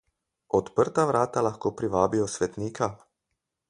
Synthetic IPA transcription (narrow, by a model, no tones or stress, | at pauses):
ɔt̪pəɾt̪aʋɾaːt̪alaxkoːpɾiʋaːbiɔsʋɛt̪niːkʰa